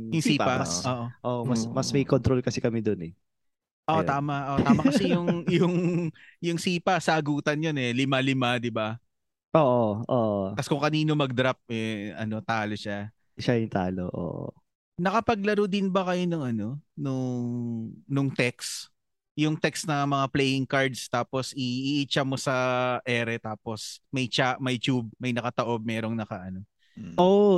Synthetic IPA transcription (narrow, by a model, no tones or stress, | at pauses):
jʊŋsiːpɐʔoːʔoʔoːʔmɐsmɐsmɐjkont̪ɾolkɐsɛkɐmɛd̪onɛ | ʔoʔt̪aːmɐʔot̪aːmɐkɐsɛjʊŋjʊŋjʊŋsiːpɐsɐʔɐɡuːt̪ɐnjonɛlɪmalɪmad̪ɪba | ʔoːʔoʔoːʔokɐskʊŋkɐniːno̞mɐɡ̚d̪ɾap̚ɛʔɐ̰no̞t̪aːlo̞ʃa | ʃajʊŋt̪a̰ːlo̰ʔo̰ːʔo̰ | nɐkɐpɐɡ̚lɐɾod̪ɪnbɐkɐjonʊŋʔɐno̞nʊŋnʊŋt̪ɛks | jʊŋt̪ɛksnɐŋmɐŋaplɛjɪŋkaɹd̪st̪aːpo̞sɪʔʔit͡ʃɐmosɐʔɛːɾɛt̪aːpo̞smɐjt͡ʃaʔmɐjt͡ʃub̚mɐjnɐkɐt̪ɐʔo̞b̚mɛːɾo̞ŋnɐkɐʔɐno̞ | ʔo